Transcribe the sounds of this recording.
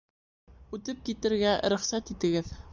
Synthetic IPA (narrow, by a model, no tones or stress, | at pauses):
ʉt̪ɘp̚kit̪ɘ̆ɾɡæɾɵ̆χsæt̪it̪ɘ̆ɡɘð